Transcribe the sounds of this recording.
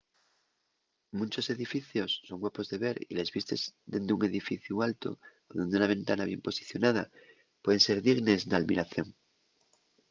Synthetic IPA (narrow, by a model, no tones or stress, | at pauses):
mũnt͡ʃo̞se̞ðifiθjo̞sːo̞ŋɡwapo̞zðe̞βe̞ɾḭle̞zβist̪e̞zd̪end̪euŋe̞ðifiθjualt̪o̰oðend̪eunaβ̞ẽ̞nt̪anaβje̞mpo̞si̥θjo̞naða̰ | pweðe̞nse̞ɾðiɣne̞snalmiɾaθjo̞ŋ